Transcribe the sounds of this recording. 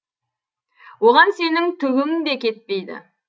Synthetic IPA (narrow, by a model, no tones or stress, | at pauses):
woʁɑnse̞nɪŋt̪ʰʏɡʲɪŋɪd̪e̞kʲʰe̞t̪̚pe̞jd̪ɪ̰